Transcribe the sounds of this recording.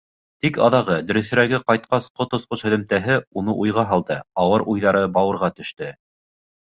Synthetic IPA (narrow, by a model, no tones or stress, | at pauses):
t̪ikɑ̰ðɑʁɤd̪ɵ̆ɾɵ̆θɘ̆ɾæɡɘqɑjt̪̚qɑsqot̪ŏsqoshɵ̆ðɘ̆mt̪æɦɘunɤʔujʁɑɦɑlˠd̪ɤɑwɤɾʔujðɑɾɤbɑwɤ̆ɾʁɑt̪ɵ̆ʃt̪ɘ